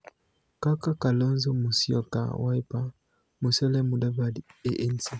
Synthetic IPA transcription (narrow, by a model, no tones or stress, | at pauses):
kakakalɔnzɔmusiɔ̰ka̰waipa | musɛlɛmudabadiɛʔɛnsi